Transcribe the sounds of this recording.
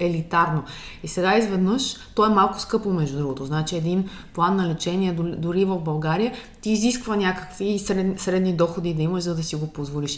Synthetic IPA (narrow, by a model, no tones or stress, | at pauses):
ɛlit̪aɾnoisɛɡaizvɛd̪nɤʃt̪ɔɛmalˠkʊ̥skɤpomɛʒd̪ud̪ɾuɡot̪oznat͡ʃiɛd̪in | plˠanːɐlɛt͡ʃɛniɛd̪d̪ʊɾivəvbɐlˠɡaɾijət̪iːziskvənʲakə̥kvisɾɛsɾɛd̪nid̪ɔxod̪id̪ɐiməʃzɐd̪ɐsiɡopozvoliʃ